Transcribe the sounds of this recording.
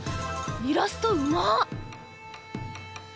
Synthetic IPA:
iɾasɨ̥t̪oɯma

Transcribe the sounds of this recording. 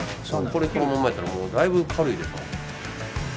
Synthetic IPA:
soko̞ɾekoomãmaet̪ːaɾamoːd̪aibɯ̟kʰaɾɯ̟id̪e̞sno

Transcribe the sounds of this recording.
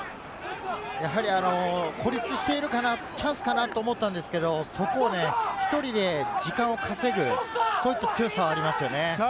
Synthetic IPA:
jaɦaɾʲiano̞kʰo̞ɾʲit͡sɨɕi̥t̪e̞iɾɯ̟kana | t͡ɕãɰ̃sɨ̥kanat̪o̞ːmo̞t̪ːãnd̪e̞sɨ̥ke̞d̪o̞so̞ko̞ːne̞çi̥t̪o̞ɾʲid̪e̞d͡ʑikãɰ̃o̞kʰase̞ɡɯ̟so̞ːit̪ːat͡sɨjosaaɾʲimasɨjo̞ne̞

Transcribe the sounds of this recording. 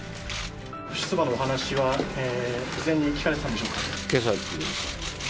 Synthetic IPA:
ɸɯ̟ɕi̥t͡sɨbano̞oɦanaɕiβaeːɯzẽ̞ɲ̟ːiɯ̟kʲi̥kaɾet̪eãnd̪eɕoːkḁkes̬at͡s

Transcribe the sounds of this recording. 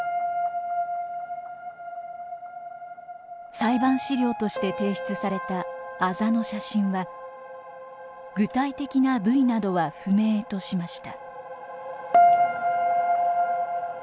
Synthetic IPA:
saibãɰ̃ɕiɾʲjo̞ːt̪o̞ɕi̥t̪e̞t̪e̞ːɕi̥t͡sɨsaɾe̞t̪aːzano̞ɕaɕĩɰ̃βa | ɡɯ̟t̪ait̪e̞kʲinabɯ̟inad̪o̞βaɸɯ̟me̞ːt̪o̞ɕimaɕi̥t̪a

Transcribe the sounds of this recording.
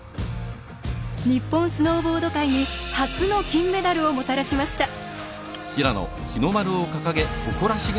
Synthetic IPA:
ɲ̟ipːõ̞ñsɨno̞ːbo̞ːd̪o̞kaiɲ̟ihat͡sɨno̞kʲĩmːe̞d̪aɾɯ̟omo̞t̪aɾaɕimaɕi̥t̪a | çiɾano̰ | çino̞maɾɯ̟okakaɡe̞oko̞ɾaɕiɡ

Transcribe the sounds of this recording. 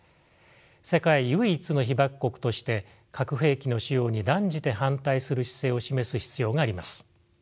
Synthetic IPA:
se̞kaijɯ̟it͡sɨno̞çibakɯ̥kːo̞kɯ̟̥t̪o̞ɕi̥t̪e̞ | kʰakɯ̟ɸe̞ːkʲino̞ɕijo̞ːɲ̟id̪ãɲ̟d͡ʑit̪e̞ɦãnt̪aisɨɾɯɕi̥se̞ːo̞ɕime̞sɨçi̥t͡sɨjo̞ːɡaːɾʲimasɨ̥

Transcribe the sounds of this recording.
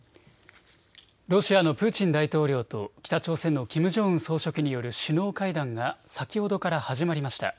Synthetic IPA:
ɾo̞ɕiano̞pɯ̟ːt͡ɕĩnd̪ait̪o̞ːɾʲo̞ːt̪o̞kʲi̥t̪at͡ɕo̞ːsẽ̞nːo̞kʲimɯ̟ʑo̞ːɯ̃ɰ̃so̞ːɕo̞kɯ̟ɲ̟ijo̞ɾɯ̟ɕino̞ːkaid̪ãŋɡasakʲiho̞d̪o̞kaɾahaʑimaɾʲimaɕi̥t̪a̰

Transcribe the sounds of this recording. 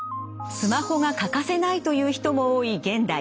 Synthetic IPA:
sɨmaho̞ɡakakase̞nait̪o̞jɯːçi̥t̪o̞mo̞oːiɡẽ̞nd̪a

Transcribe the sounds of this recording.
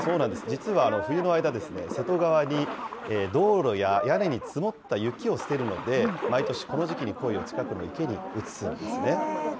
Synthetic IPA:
so̞ːnãnd̪e̞sɨd͡ʑit͡sɨβaːno̞ɸɯ̟jɯ̟no̞aid̪ad̪e̞sɨne̞̰se̞t̪o̞ɡaβ̞aɲ̟ieːd̪o̞ːɾo̞jajane̞ɲ̟it͡sɨmo̞t̪ːajɯ̟kʲio̞sɨ̥t̪e̞ɾɯ̟no̞̰d̪e̞mait̪o̞ɕi̥ko̞no̞ʑikʲiɲ̟iko̞io̞t͡ɕi̥kakɯ̟no̞̰ike̞ɲ̟iɯ̟t͡sɨ̥sɨɾɯ̰̃nd̪esɨne̞

